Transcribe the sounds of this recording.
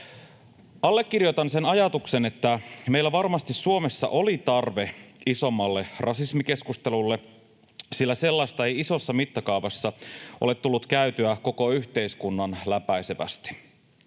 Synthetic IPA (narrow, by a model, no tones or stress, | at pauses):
ɑlːe̞kːirjot̪ɑnse̞nɑjɑt̪ukse̞ne̞t̪ːæme̞jlːæʋɑrmɑst̪issuomesːɑ̰ʔolit̪ɑrʋe̞iso̞mːɑlːe̞rʔɑsismike̞skust̪e̞lulːe | silːæse̞lːɑist̪ɑe̞jiso̞sːɑmit̪ːɑkɑuʋɑsːɑʔole̞t̪ːulːut̪kæyt̪yæko̞ko̞yçt̪e̞iskunːɑnlæpæiseʋæ̰st̪i̥